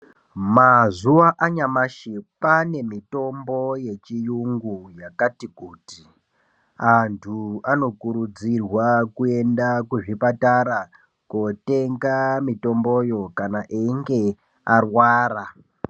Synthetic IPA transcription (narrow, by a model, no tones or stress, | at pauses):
mazuʋaʔaɲamaʃipane̞mito̞mbo̞je̞t͡ʃijuŋɡujakatikuːti | antʰuano̞kuɾud͡zirwakue̞ndakuʐipataɾa | kote̞ŋɡamito̞mbo̞jo̞kanaʔiŋɡe̞ | arwaːra